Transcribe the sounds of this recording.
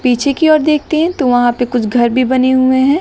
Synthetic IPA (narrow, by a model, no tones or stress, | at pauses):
piːt͡ʃʰekiɔːɾd̪eːk̚ʰt̪eɦɛ̃t̪oʋɐɦãpekʊt͡ʃʰɡʱɐɾbʱibɐneɦuẽɦɛ̃ː